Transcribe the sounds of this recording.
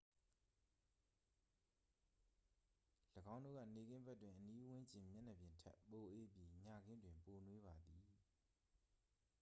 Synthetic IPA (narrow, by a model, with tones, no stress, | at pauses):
ləɡã˦ʊ̃ndo̰˦˨ɡä̰˦˨ne˨ɡɪ̃˦mbɛ˦ʔtwɪ̃˨ʔəni˦wɪ̃˦ɲt͡ɕɪ̃˨mjɛ̰˦˨nɛ˨bjɪ̃˨ntʰɛ̰˦po˨ʔe˦˨pji˨ɲa˨ɡɪ̃˦ndwɪ̃˨mpo˨nwe˦βa˨d̪i˨